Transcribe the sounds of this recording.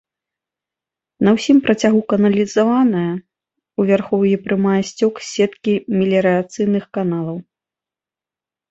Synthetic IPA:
nɐwsʲimpɾʔɐt͡sʲaɣukɐnɐlʲizavanɐjɐ | uvʲarxɔwjɛpɾɨmajɛsʲt͡sʲɔksʲɛt̪kʲimʲɛlʲɛɾɨat̪sɨjnɨxkanalˠɐw

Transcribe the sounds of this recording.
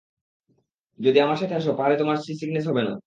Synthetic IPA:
d͡ʑod̪iamaɾʃat̪ʰeaʃ̬opaɾet̪omaɾsisiɡnes̬ɦɔbena

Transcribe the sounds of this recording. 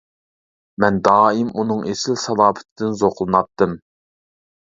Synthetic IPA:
mɛnd̪ɑːimunɨŋesɪlsɑlˠɑːbə̥t̪ʰɪd̪ɪnzoqlˠɨnɑp̚t̪ːɨm

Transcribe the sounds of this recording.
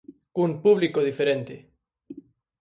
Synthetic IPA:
kumpuβlikoðifeɾẽnt̪e

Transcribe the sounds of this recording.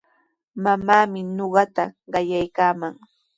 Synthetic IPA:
mamaːmɪnoɢɑt̪aɢɑjajkaːmaŋ

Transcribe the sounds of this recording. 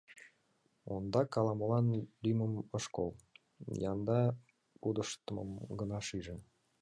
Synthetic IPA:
ond̪ɑkɑlɑmolɑnlyməməʃkol | jɑnd̪ɑ | pud̪əʃt̪əmə̰mɡənɑʃiʒĕ

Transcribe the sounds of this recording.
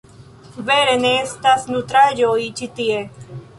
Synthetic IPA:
ʋeːɾenest̪ɐsnut̪ɾad͡ʒoːit͡ʃit̪ie

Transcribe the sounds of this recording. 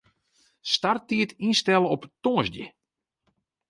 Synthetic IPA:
startiətinstɛləɔptoːzdjə̰

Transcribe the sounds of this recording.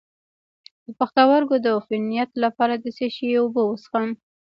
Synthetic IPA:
d̪̥əpaxt̪awaɾɡod̪əfɪnijat̪lapɑɾad̪əseʃiobəwəsxam

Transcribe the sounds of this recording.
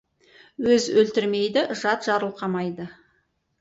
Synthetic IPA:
wɵzɵlt̪ɪɾme̞jd̪ɪʒɑt̪ʒ̥ɑɾəlˠqʰɑmɑjd̪ə

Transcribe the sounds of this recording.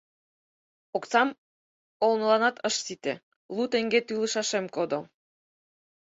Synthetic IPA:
okt͡sɑm | olnɤlɑnɑt̪əʃsit̪e | lˠut̪eŋɡet̪yləʃɑʃemkod̪o

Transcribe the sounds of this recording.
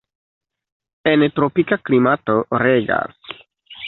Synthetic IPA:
entɾopikaklimatoɾeɡa̰s

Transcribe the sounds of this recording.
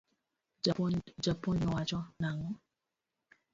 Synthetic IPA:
d͡ʒapːɔɲɔat͡ʃɔnaŋɔ

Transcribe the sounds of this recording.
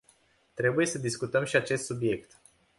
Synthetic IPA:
t̪ɾe̞buje̞səd̪iskut̪əmʃiat͡ʃe̞st̪subije̞kt̪

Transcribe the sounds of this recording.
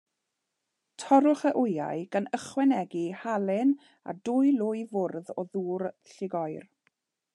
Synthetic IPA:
tʰɔɾʊχəʔʊja̰ɨɡ̥ənəχwɛnɛɡihalˠɪn | a̰dʊːjlˠʊjvʊrðɔðuːrɬɪɡɔjr

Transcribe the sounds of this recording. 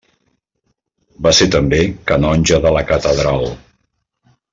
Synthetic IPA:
baset̪əmbekənɔnʲʒəðələkət̪əðɾalˠ

